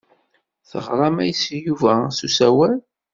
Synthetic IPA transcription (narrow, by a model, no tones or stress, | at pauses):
θə̰ʁɾˤɑmæjsjuvæsusæwæl